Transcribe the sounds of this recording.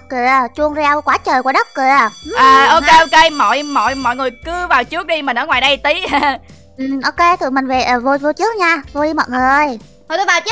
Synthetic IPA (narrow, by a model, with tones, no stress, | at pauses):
kːɨ˧˩ət͡ɕu˧əŋzɛ˧wkwaː˨˦t͡ɕəː˨˩jku˧˩˦ɗə˦˥k̚kɨ˧˩əʔəː˨˩ʔo˧ke˧ʔo˧ke˧mɔ̰˧˨jmɔ̰˧˨jmɔ̰˧˨jŋɨ˨˩əjkɨ˨˦vaː˨˩wt͡ɕɨ˦˥ək̚ɗi˧mï˨˩n̟ʔəː˧˦ŋwaː˨˩jɗə˧jt̪i˨˦˧ | ʔɨ˨˩ʔo˧wke˧t̪ʰɨ˧˨˩mï˨˩ŋ̟ve˨˩ʔəː˨˩vo˧vo˧t͡ɕɨ˦˥ək̚ɲaː˧vo˧ɗi˧mɔ̰˧˨jŋɨ˨˩əj | o˨˩ɗu˧ɓaː˨˩wt͡ɕ